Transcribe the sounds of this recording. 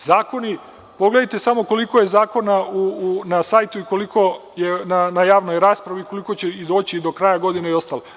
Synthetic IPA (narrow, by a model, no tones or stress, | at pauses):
z̥aːko̞ni | po̞ɡle̞d̪ajt̪e̞samo̞ko̞liko̞je̞zaːko̞naunasaːjt̪uiko̞likʰo̞jenanajaːʋno̞jɾaːspɾaʋiko̞liko̞t͡ɕeid̪o̞ːt͡ɕiːd̪o̞kɾaːjaɡo̞d̪ineio̞st̪alo